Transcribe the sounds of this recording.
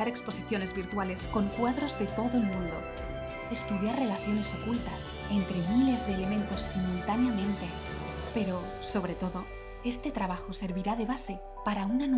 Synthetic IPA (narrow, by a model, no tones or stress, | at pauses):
aɾe̞kspo̞siθjo̞ne̞zβiɾt̪wale̞sko̞ŋkwaðɾo̞zðe̞t̪o̞ðoelmũnd̪o̞̰ | e̞st̪uðjaɾrelaθjo̞ne̞so̞kult̪as | ent̪ɾe̞mile̞zðeːle̞mẽ̞nt̪o̞sːimult̪anjamẽ̞nt̪e̞ | pe̞ɾo̞ | so̞β̞ɾe̞t̪o̞ðo̞ | e̞st̪e̞t̪ɾaβaxo̞se̞ɾβiɾað̞e̞β̞ase̞ | paɾaunan